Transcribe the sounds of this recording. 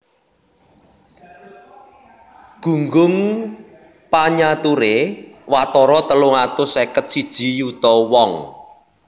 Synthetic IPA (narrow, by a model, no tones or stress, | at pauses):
ɡ̥ṳŋɡʊŋ | paɲat̪uɾewat̪ɔɾɔt̪əlʊŋat̪ʊsekət̪̚sid̥ʒ̥i̤jut̪ɔwɔŋ